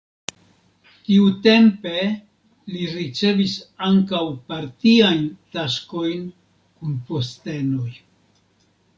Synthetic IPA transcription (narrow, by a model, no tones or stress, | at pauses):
tiute̞mpe̞ | liɾit͡se̞visaŋkawpaɾtiajntasko̞jn | kunpo̞ste̞no̞j